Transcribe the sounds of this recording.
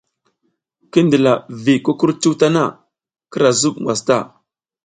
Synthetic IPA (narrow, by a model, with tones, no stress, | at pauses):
ki˦ndə˨la˨vi˨ku˦ku˦ɾt͡ʃu˦ta˦na˦˨ | kə˦ɾa˨zu˦ɓŋɡwa˨sta̰˦˨